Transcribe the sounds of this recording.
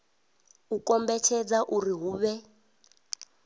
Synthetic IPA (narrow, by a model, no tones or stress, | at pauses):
ukʼɔmbɛt͡ʃʰɛd͡zaʔuriɦuːβɛ